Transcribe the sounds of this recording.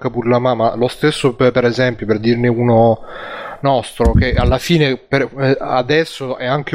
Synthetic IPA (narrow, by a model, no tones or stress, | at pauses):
kapurlamamalost̪esːoppeɾɛzɛmpjoperd̪irneuno | nɔst̪ɾok̟eʔalːafiːnepead̪ɛsːoɛaŋk̟e